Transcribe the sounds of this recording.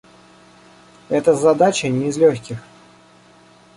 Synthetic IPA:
ɛt̪əzɐd̪at͡ɕənʲɪɪzlʲoxʲkʲɪx

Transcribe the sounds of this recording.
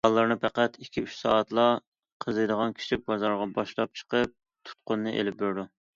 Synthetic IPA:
ɑlˠːɨɾnɨpʰæqæt̪ʰikʲʰiyt͡ʃsɑːt̪lˠɑ | qʰəzɨjd̪əʁɑnkʲʰi̥ʃibɑzɑɾʁɑbɑʃlˠɑp̚t͡ʃʰə̥qəp̚ | t̪ʰu̥t̪̚qʊnːɨʔḛlɪp̚beɾd̪u

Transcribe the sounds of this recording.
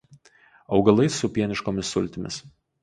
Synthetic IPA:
ɒʊɡɐlˠɐɪsʊpʲiɛnʲɪʃkoːmʲɪsːʊlʲt̪ʲɪmʲɪ̰s

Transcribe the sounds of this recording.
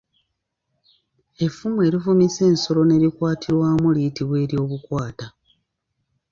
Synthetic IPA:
e̞fːumue̞ːɾivumise̞ːnso̞lo̞ne̞ːɾikwaːtʰiɾwaːmulijitiβwe̞ːɾjo̞ːβukwaːta

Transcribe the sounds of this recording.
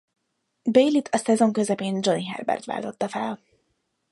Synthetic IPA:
bejlit̪ʰɒsɛzo̞ŋkø̞zɛpeːnd͡ʒo̞niɦɛ̰rbɛ̰rt̪ʋa̰ːlt̪o̞t̪ːɒfɛl

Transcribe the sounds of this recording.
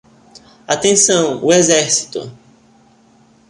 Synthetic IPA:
at̪ẽsɐ̃w̃ʊezɛɾsi̥t̪ʊ̰

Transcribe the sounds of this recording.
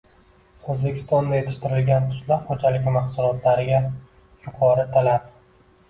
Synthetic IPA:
ɵzbe̞kʲʰɪ̥st̪ɒnd̪ajet̪ʰɪʃt̪ɪɾɪlɡʲant̪ʰʊ̥ʃlaɾχod͡ʒalɪɡʲɪmɑχsʊlˠɒt̪ʰlaɾɪɡʲa | jʊqʰɒɾɪt̪ʰalap̚

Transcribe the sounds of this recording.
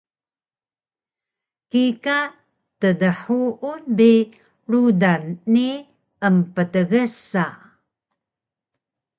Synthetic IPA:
kika | tədəħuʔunbi | ɾudanːi | əmpətəɣəsa

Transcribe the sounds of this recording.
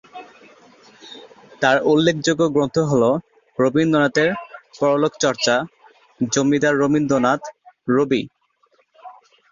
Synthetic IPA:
t̪aɾʔulːekʰd͡ʑoɡːoɡɾont̪ʰoɦolo | ɾobind̪onat̪eɾpɔɾolokʰt͡ɕɔɾt͡ɕa | d͡ʑomːid̪aːomind̪onat̪ɾobi

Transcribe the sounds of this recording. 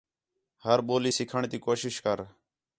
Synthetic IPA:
həɾɓoːliːsɪkʰəɳt̪iːkoːʃɪʃkəɾ

